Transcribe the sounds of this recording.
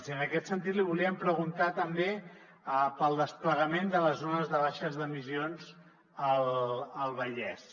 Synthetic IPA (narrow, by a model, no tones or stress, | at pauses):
siənəkɛt̪sənt̪̬it̪liβuliəmpɾəɣ̞unt̪at̪əmbe | əpəlˠd̪əspləɣəmend̪ələzonəzðəβ̞aʃəzðəmizionz | ələlˠβəʎɛs